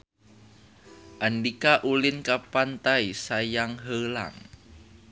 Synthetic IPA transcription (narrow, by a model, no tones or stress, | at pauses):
ʔanɖikaʔulɪnkapant̪aisajaŋɦəla̰ŋ